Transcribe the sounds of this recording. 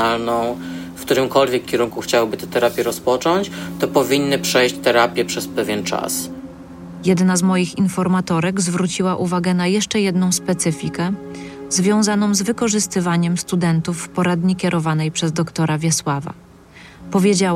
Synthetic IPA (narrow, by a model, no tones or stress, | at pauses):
alnɔ̃w̃fkt̪uɾɘmkɔlvʲjɛkʲːɛɾuŋkuxt͡ɕawbɘt̪ɛt̪ɛɾapʲjɛɾɔspɔt͡ʂɔɲt͡ɕt̪ɔpɔvʲinːɘpʂɛjɕt͡ɕt̪ɛɾapʲjɛpʂɛspɛvʲjɛnt͡ʂa̰s | jɛd̪nazmɔjixinfɔɾmat̪ɔɾɛɡzvɾut͡ɕiwaʔuvaɡɛn̪ajɛʂt͡ʂɛjɛd̪n̪ɔ̃w̃spɛt̪sɘfʲikɛzvʲjɔ̃w̃zanɔ̃w̃zvɘkɔʐɘst̪ɘvaɲɛmst̪ud̪ɛnt̪ufːpɔɾad̪ɲikʲɛɾʔɔvanɛjpʂɛzd̪ɔkt̪ɔɾavʲjɛswava̰ | pɔvʲjed͡ʑa